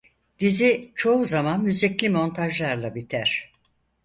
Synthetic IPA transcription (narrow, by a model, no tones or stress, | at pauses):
d̪̥izit͡ʃʰo̞uzamanmyziclʲimo̞nt̪ʰaʒlˠaɾlˠabit̪ʰæɾ̥